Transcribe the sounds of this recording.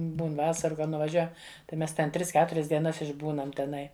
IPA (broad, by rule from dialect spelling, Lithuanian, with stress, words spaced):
ˈbuːn ˈʋɑːsɐrʊ kɐt nʊʋɐˈʒʲuɔjɛm tɐɪ ˈmʲɛs tʲɛn ˈtʲrʲɪs ˈkʲæːtʊrʲɛs dʲiɛˈnɐs ɪʒˈbuːnɐm tʲɛˈnɐɪ